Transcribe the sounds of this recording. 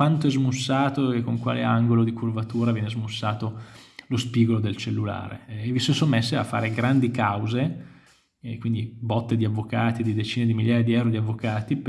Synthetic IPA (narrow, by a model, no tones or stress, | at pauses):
want̪oɛzmusːaːt̪oekːoŋkwa̰ːleaŋɡolod̪ikurvat̪uːɾavjɛnezmusːaːt̪olospiːɡolod̪elt͡ʃelːula̰ːɾḛːvisosomːesːea̰fːa̰ːɾeɡɾand̪ikawze | kwind̪ibɔt̪ːed̪iavːokaːt̪id̪id̪et͡ʃiːned̪imiljaːjad̪iɛwɾod̪iavːokaːt̪ip